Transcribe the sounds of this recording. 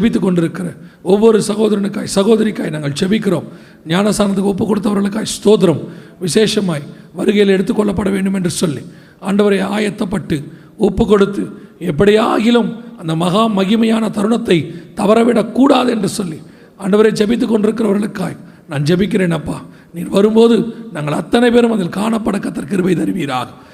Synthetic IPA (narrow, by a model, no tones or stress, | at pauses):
t͡ʃɛbɪt̪ːɯkːɔɳɖɪɾɯkːɪrɐɔʋːɔɾɯsɐɣoːðɐɾɐnɯkːaːjsɐɣoːðɐɾikːaːjnaːŋɡɐɭt͡ʃɛbɪkːɪɾoːm | ɲaːnɐst̪aːnɐt̪ːɯkːɔp̬ːɯkːɔɽɯt̪ːɐʋɐɾɣɐɭɯkːaːjst̪oːt̪̬ɪɾɐmʋɪseːʂɐmaːj | ʋɐɾɯɣɐjɪlɛɽɯt̪ːɯkːɔɭːɐp̬ːɐɽɐʋeːɳɖɯmɛndrɯsɔlːi | aːɳɖɐʋɐɾɐɪaːjɐt̪ːɐpːɐʈːɯ | ɔpːɯkːɔɽɯt̪ːɯɛp̬ːɐɽɪjaːɣɪlɐmɐnd̪ɐmɐɣaːmɐɣɪmɐjaːnɐt̪ɐɾɯɳɐt̪ːɐɪt̪ɐʋɐɾɐʋeːɽɐkːuːɽaːðɛndrɯsɔlːi | aːɳɖɐʋɐɾɐt͡ʃɛbɪt̪̬ːɯkːɔɳɖɪɾɯkːɪrɐʋɐɾɣɐɭɯkːaːj | naːnt͡ʃɛbɪk̬ʲːɪreːnɐpːaː | niːnʋɐɾɯmpoːðɯnɐŋːɐɭɐt̪ːɐnɐɪpeːɾɯmɐðɪlkaːɳɐpːɐɽɐkːɐt̪ːɐkɪɾɯbɐɪt̪ɐɾɪʋiːɾaːɣɐ̥